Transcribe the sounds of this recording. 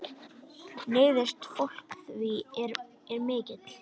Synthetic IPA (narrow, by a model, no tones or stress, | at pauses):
neːjðɪst̪fowl̥kθviɛɾ | ɛɾmɪːcɪt̪l̥